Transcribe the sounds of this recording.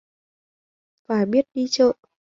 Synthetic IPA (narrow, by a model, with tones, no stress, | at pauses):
faː˨˩jɓi˦˥ət̚ɗi˧t͡ɕə̰ː˧˨